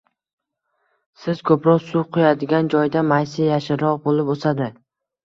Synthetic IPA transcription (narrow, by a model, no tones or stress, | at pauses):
sɪz̥kʰɵpɾɒsuqʰʊjad̪ɪɡʲand͡ʒɒjd̪amajsɪjaʃɪɾɒʁbolˠɪposad̪ɪ